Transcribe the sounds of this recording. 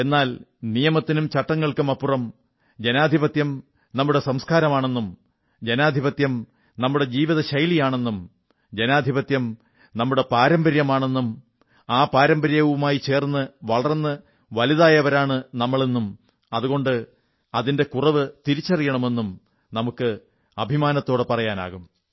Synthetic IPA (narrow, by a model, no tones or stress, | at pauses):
e̞nːaːlnijɐmɐt̪ːinumt͡ɕɐʈːɐŋːɐɭkɨmɐpːurɐm | d͡ʑenaːd̪ʱibɐt̪jɐm | nɐmːuɽe̞sɐmskaːɾɐmaːɳe̞nːum | d͡ʑenaːd̪ʱibɐt̪jɐm | nɐmːuɽe̞d͡ʑiːʋiðɐɕɐjlijaːɳe̞nːum | d͡ʑe̞naːd̪ʱibɐt̪jɐm | nɐmːuɽe̞paːɾɐmbɐɾjɐmaːɳe̞nːum | aːpaːɾɐmbɐɾjɐʋumaːjit͡ɕe̞ːrnːɨʋɐɭɐrɐnːɨ | ʋɐliðaːjɐʋɐɾaːɳɨnɐmːɐɭenːum | ɐðuɣo̞ɳɖɨ | ɐðinde̞kurɐʋɨt̪iɾit͡ɕːɐrijɐɳɐme̞nːum | nɐmukːɨ | ɐbʱimaːnɐt̪ːo̞ːɽɨpɐrɐjaːna̰ːɣum